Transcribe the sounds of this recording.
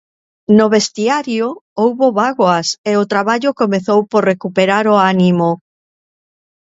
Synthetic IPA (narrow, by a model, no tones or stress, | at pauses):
noβest̪iaɾjoowβoβaɣwaseot̪ɾaβaʎokomeθowpoɾrekupeɾaɾoanimo